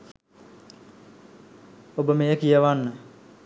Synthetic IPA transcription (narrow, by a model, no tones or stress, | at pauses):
obəmejəkijəʋanːə